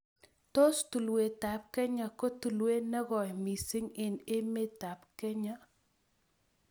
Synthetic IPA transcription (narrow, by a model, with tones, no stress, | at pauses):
to˦stu˨lwe˨ta˨p̚kɛ˦ɲa˨ko˦tu˨lwe˦nɛ˦ɣɔ˨jmi˨sɪ˦ŋɪ˨ne˦me˦ta˨pkɛ˦ɲa˦